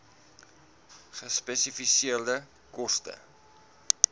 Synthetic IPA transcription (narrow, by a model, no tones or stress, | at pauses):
χəspɛsifisiərdə | kɔstə̰